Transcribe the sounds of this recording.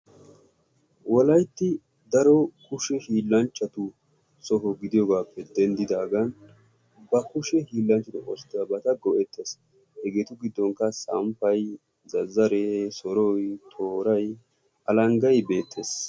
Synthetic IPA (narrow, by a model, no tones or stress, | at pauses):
wɔlɐjt̪ːɪ | d̪ɐɾɔkʊʃɛhiːlːɐnt͡ʃːɐt̪ʊ | sɔɦɔɡɪd̪ɪjɔɡaːpːɛd̪ɛnd̪ɪd̪aːɡɐn | bɐkʊʃɛhiːlːɐnt͡ʃːɐt̪ʊʔɔst̪ːɪɐbɐt̪ɐɡɔʔɛt̪ʰːeːs | hɛɡeːt̪ʊɡɪd̪ːɔŋkːɐsɐmpɐj | zɐzːɐɾesɔɾɔjt̪ʰoːɾɐj | ʔɐlɐŋɡɐjbe̞ːt̪ʰːe̞ːs